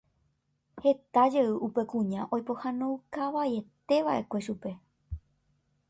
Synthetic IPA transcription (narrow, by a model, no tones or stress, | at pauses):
he̞t̪ad͡ʒeɨʔupe̞kũɲãʔo̞jpo̞hãnõwkaʋaje̞t̪e̞ʋaʔe̞kʷe̞ʃupe̞